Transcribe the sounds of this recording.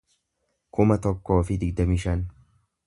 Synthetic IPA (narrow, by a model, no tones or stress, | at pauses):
kʰomɐt̪ɔkʰːɔːfiːd̪iːd̪ɐmiʃɐn